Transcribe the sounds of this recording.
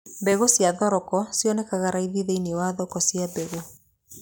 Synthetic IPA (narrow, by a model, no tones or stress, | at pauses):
bɛɣosjaðɔɾɔkɔsjɔnɛkaɣaɾaiðiðeinewaðɔkɔsjabɛɣo